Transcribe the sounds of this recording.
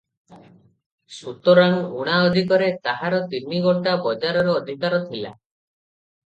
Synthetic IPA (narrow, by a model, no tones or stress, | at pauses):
sut̪ɔɾanuɽ̃aɔd̪ʱikɔɾet̪aɦaɾɔt̪iɾmiɡɔʈabɔd͡ʒaɾɔɾɔːd̪ʱikaɾɔt̪ʰila̰